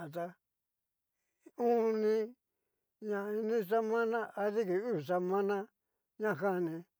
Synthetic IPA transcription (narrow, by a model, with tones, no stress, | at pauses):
a˨t̪a˧ | ũ˦nĩ˧ | ɲã˧i˧nĩ˦sa˦mã˦nã˦ʔa˧ði˦ki˨u˦˨sa˧mã˦nã˦ | ɲã˦˨ɦa˦˨nĩ˧